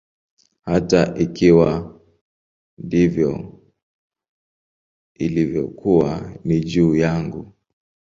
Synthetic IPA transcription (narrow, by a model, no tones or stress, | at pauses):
hataʔikiwa | ndivjɔ | ilivjɔ̰kʰuwanid͡ʒuːjaŋɡu